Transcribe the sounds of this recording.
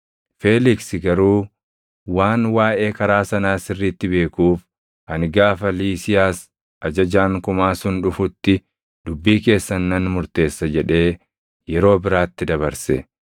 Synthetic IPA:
fe̞ːlɪksɪɡɐɾuː | waːnwaːʔe̞ːkɐɾaːsɐnaːsɪrːiːt̪ːɪbe̞ːkuːf | ɐnɡaːfɐliːsɪjaːs | ʔɐd͡ʒɐd͡ʒaːŋkʊmaːsʊnᶑʊfʊt̪ːɪ | d̪̥ʊbːiːke̞ːsːɐnːɐnmʊɾt̪e̞ːsːɐd͡ʒɛᶑe̞ː | jɛɾo̞ːbɪɾaːt̪ːɪd̪ɐβɐɾsɛ

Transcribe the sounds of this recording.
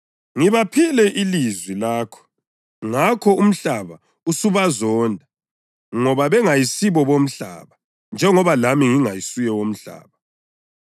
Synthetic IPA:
ŋiβapʰilɛʔilizwilaːkʰɔ̥ | ŋakʰɔum̩ɬaβa | usuβazɔndʱa | ŋɔβaβɛŋajisiβɔβom̩ɬa̰βa | nd͡ʒʱɛŋɔβalamiŋiŋajisujɛwom̩ɬa̰ːβa

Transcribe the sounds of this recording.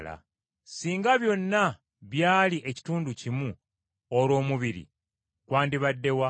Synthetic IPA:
la̰ | siːŋɡaβjo̞nːa | βjaːliʔe̞ci̥tuːnducimu | oɾo̞ːmuβiɾḭ | kwaːndiβadːe̞wa

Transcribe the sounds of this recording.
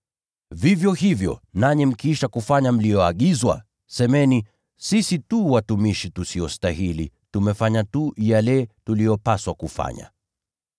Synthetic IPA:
vivjɔhivjɔ̰naɲɛm̩kiiʃakufaɲam̩lijɔaɠizwa̰ | sɛmɛni | sisituwatumiʃitusiɔstahilḭ | tumɛfaɲatujalɛtulijɔpaswakufa̰ɲa̰

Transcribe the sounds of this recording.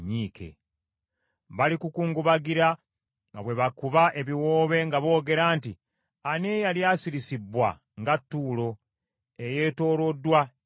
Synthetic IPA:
ɲiːke̞̰ | βalikukuːŋɡuβaɡiɾa | ŋɡaβwe̞βakuβaʔe̞βiwo̞ːβe̞ŋɡaβo̞ːɡe̞ɾaːnti | anejaljaːsiɾisibwa̰ | ŋɡatːuːlo̞ | e̞je̞ːto̞ːlo̞dːwa

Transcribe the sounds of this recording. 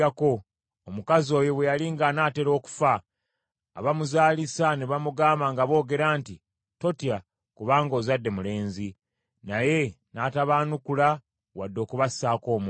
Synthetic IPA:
ako̞ː | mukazo̞ːjowejaliŋɡanaːte̞ɾo̞ːku̥fa̰ː | βamuzaːlisaneβamuɡaːmbaŋɡaβo̞ːɡe̞ɾaːnti | to̞tja | kuβaːŋɡo̞ːzadːe̞mule̞ːnzi | naje̞ | naːtaβaːnukula | wadːo̞ːkuβassaːko̞ːmu

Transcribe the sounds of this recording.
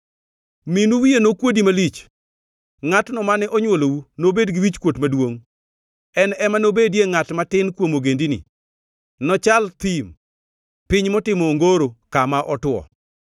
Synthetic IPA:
minuwijenokwodimalit͡ʃ | ŋatnɔmanɛʔɔɲwolowunobedɡiwit͡ʃkwotmadwoŋ | ɛnɛmanobedjeŋatmatɪnkwomoɡendinḭ | nɔt͡ʃalt̪im | pɪɲmɔtɪmɔŋɡoɾokamaʔɔtwɔ̰

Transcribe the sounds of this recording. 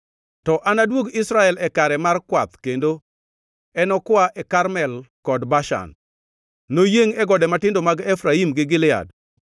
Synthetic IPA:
tɔʔanadwoɡisɾaɛlɛkaɾɛmarkwat̪kendo | ɛnɔkwaʔɛkarmɛlkɔdbaʃa̰nː | ojeŋɛɡɔdɛmatɪndomaɡɛfɾaimɡɪɡɪlɪa̰d

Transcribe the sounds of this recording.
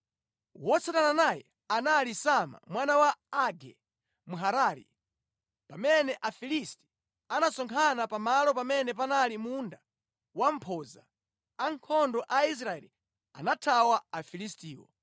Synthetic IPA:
wɔt͡satananajɛ̰ | analisama̰mwanawaaɡɛ̰ | muɦaɾaːɾḭ | pamɛnɛʔafilisti̥ | anasɔŋkʰanapamalɔpamɛnɛp̬analimunda | wam̩pʰɔza | aŋkʰɔndɔʔais̬ɾaɛ̰ːli | a̰natʰawaafilistiːwɔ̰

